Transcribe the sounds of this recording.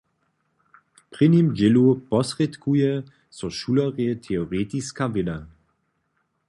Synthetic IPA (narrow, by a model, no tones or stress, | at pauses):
pʁ̥ɪnimd͡ʑɪlupɔsʁet̪kujɛ | sɔʃulɐʁjɛt̪ʰɛoʁeːt̪iskavɪla